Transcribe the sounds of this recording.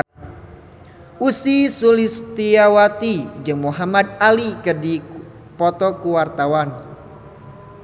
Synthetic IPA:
ʔusisulist̪iawat̪id͡ʒɨŋmuɦamad̪̚alikədi | pɔt̪ɔkuwart̪awan

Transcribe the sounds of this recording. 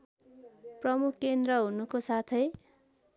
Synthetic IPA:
prʌmukʰkend̪rʌɦunukosat̪ʰʌj

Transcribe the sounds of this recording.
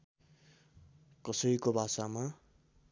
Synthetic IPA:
kʌsʌɾikobʱasama

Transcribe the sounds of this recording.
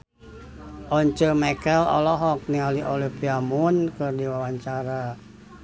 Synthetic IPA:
ʔɔɲt͡ʃəmakɛlɔ̰lɔɦɔk̚niŋaliʔolipiamunkərdiwawaɲt͡ʃaɾa

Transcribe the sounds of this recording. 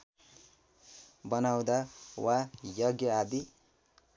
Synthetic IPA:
bʌnaw̃d̪awajʌɡjʌad̪i

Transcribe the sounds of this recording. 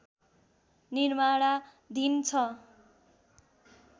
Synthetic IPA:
nirmaɽa | d̪ʱint͡sʰʌ

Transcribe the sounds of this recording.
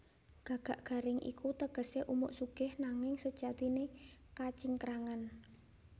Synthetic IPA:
ɡ̥ä̤ɡ̥a̤ʔɡ̥a̤ɾɪŋʔḭkut̪əɡ̥ə̤seʔumʊ̰ʔsuɡ̥ɪ̤hnaŋɪŋsəd̥ʒ̥at̪inekat͡ʃiŋkɾaŋan

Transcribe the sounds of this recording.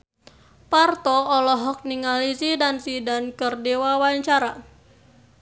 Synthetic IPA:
part̪ɔːlɔɦɔk̚niŋalisidansidankərdewawaɲt͡ʃaɾa

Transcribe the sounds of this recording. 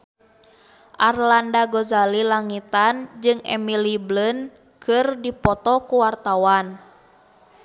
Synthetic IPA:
ʔarlandaɡɔzalilaŋit̪and͡ʒɨŋʔɛ̰miliblən | kʰɨrdipɔt̪ɔkuwart̪awan

